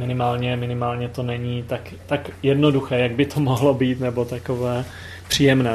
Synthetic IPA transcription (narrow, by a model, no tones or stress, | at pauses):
mɪnɪmaːlɲɛmɪnɪmaːlɲɛt̪o̞nɛɲiːt̪ak | t̪akjɛdnoduxɛːjaɡ̚bɪt̪ʰomoɦlobiːt̪nɛbo̞t̪akovɛː | pr̥iːjɛmnɛː